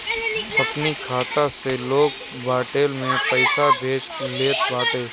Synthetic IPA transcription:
ɐpnikʰaːt̪aseloːɡ | baːʈeːlmẽpəɪsabʱeːt͡ʃleːt̪ʋaːt̪eː

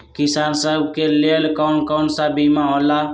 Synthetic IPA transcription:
kɪsaːnsəbkeleːlkaʊɳkaʊɳsaːbimãoːlaː

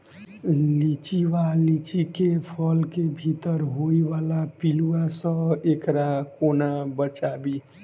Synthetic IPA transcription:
lit͡ʃiwalit͡ʃikepʰəlkebʱit̪əɾɦoiʋalapiluasə̃bekɾakonabət͡ʃabi

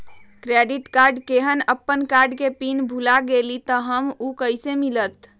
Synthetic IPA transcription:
kɾeɖiʈkaɾɖkeɦənəpːənkaɾɖkepinbʱulaɡelit̪ɔɦəmukəjsemilət̪

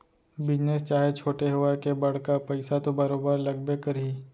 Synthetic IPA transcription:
bɪd͡ʒnest͡ʃaːɦet͡ʃʰoːʈeɦʊakebɐɽ̤kapɛɪsat̪obɐɾoːbəɾlɐɡbekɐɾiː

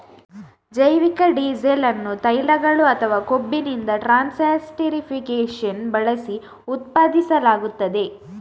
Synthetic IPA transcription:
d͡ʒɐjʋikɐɖiːzelɐnːut̪ɐjlɐɡɐɭuɐt̪ʰɐʋaːkobːinind̪ɐʈɾaːnsaːsʈeɾipʰikeːʂɐnbɐɭɐsi | ut̪paːd̪isɐlaːɡut̪ːɐd̪e̞

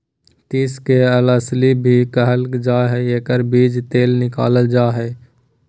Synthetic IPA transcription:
t̪iːskeələslibʱikəɦəld͡ʒaːɦɛeːkəɾbiːd͡ʒt̪eːlnɪka̰ːləld͡ʒaːɦɛː

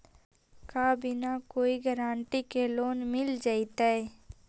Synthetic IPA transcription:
kabʱinakoːiɡəɾaːɳʈikeloːnmɪld͡ʒaːɪt̪aɛ

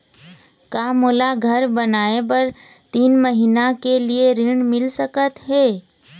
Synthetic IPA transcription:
kaːmʊlaɡʱɐɾbɐnaːep̬ɐɾ | t̪iːnməɦiːnakelieɾɪɳ̃mɪlsəkət̪ɦɛː

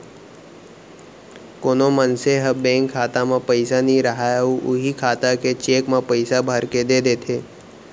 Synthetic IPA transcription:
koːnomənseɦɐbɛ̃ːŋkʰːaːt̪amãpəɪsanĩɾəɦaːjuʔʊɦikʰaːt̪aket͡ʃeːkmãpəɪsabʱaɾked̪ed̪eːt̪ʰeː

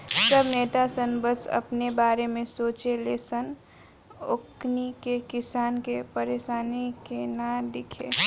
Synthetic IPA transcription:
səbneːt̪asənbəsɐ̰pnebaːɾemẽsoːt͡ʃeleːsən | oknikekɪsaːnkepəɾeːʃaːnikenad̪ɪkʰeː

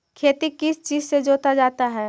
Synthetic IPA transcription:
kʰeːt̪ikːɪst͡ʃiːzsed͡ʒoːt̪ad͡ʒaːt̪aɦɛː

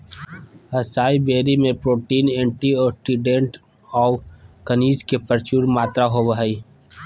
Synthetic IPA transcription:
əsaːibeːɾimẽpɾoːʈiːnẽːɳʈiɔːksiɖẽɳʈ | ɔːkəniːd͡ʒkepəɾt͡ʃuːɾmaːt̪ɾaɦoʋəɦəi

